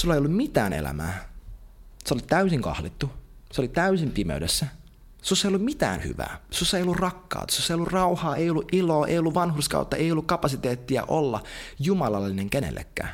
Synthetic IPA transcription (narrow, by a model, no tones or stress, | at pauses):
sulːejolːummit̪æːnḛlæ̰mæː | seolit̪æysiŋkɑ̰hlit̪ːuseolit̪æysimpimḛydesːæ | susːɑeijolːumit̪æ̰ːnhy̰ʋæ̰ːsusːejolːurrɑkːɑ̰ːt̪ɑ̥susːɑejolːurrɑuhɑːeijolːuʔʔiloːʔḛijolːuʋʋɑnhurskɑ̰ut̪ːɑʔejolːukkɑpɑsit̪eːt̪ːiɑ̰ʔolːɑjumɑlɑlːineŋkenḛlːḛkːæ̰ː